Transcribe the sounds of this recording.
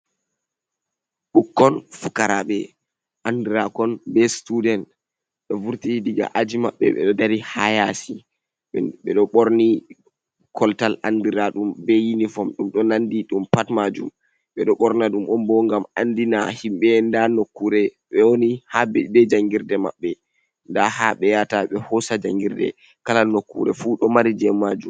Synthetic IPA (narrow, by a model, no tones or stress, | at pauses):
ɓukːɔnfukaɾaɓɛ̰ | ʔandiɾakɔnbɛstudɛn | ɗɔvuɾtidiɡa̰ʔad͡ʒima̰ɓːɛ̰ɓɛ̰ɗɔdaɾihajasi | ɓɛɗɔɓɔɾni | kʰɔltalandiɾaɗumbɛjinifɔmɗumɗɔnandiɗumpatmad͡ʒum | ɓɛɗɔɓɔɾnaɗumʔɔmbɔŋɡama̰ndina̰himɓɛndanokːuɾɛɓɛwonihaɛbɛd͡ʒaŋɡiɾdɛma̰ɓːɛ | ndahaɓɛjataɓɛhɔsad͡ʒaŋɡiɾdɛ̰ | kalalnokːṵɾɛfuɗɔmaɾid͡ʒɛmad͡ʒum